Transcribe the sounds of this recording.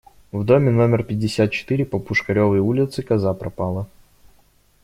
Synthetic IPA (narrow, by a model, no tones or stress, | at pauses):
vd̪omʲɪno̞mʲɪrpʲɪdʲːɪsʲat̪̚t͡ɕɪ̥t̪ɨɾʲɪpəpʊʂkɐɾʲovəjulʲɪt̪sɨkɐzapɾɐpalˠə